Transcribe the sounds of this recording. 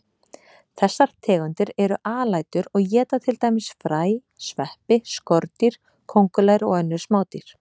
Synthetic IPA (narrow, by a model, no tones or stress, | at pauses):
θɛsːaɾ̥t̪ʰɛːɣʏnt̪ɪɾɛɾʏʔaːlaːjt̪ʏɾɔɣjɛːt̪at̪ʰɪlt̪aːjmɪsfɾaːj | svɛhpɪskɔɾt̪iɾ̥ | kʰowŋkʏlajɾɔɣœnːʏɾ̥smaːwt̪iɾ̥